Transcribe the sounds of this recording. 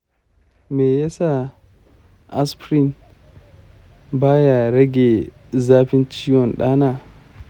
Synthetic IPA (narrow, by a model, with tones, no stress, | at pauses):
mɛ˨jɛ˦sa˨ | ʔa˦spɾi˨n | baː˦ja˨ɾɛ˦ɡɛ˨ | zaː˦fi˦nt͡ʃi˦jɔ˨nɗa˦na˨